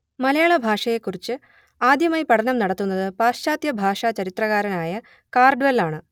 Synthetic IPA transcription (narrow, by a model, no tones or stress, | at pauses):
mɐlɐjaːɭɐbʱaːʂɐje̞kːurit͡ɕːɨ | aːd̪jɐmɐjpɐɽɐnɐmnɐɽɐt̪ːunːɐðɨpaːʂt͡ɕaːd̪jɐbʱaːʂɐt͡ɕɐɾit̪rɐɣaːɾɐnaːjɐ | kaːrɖʋɐlaːɳɨ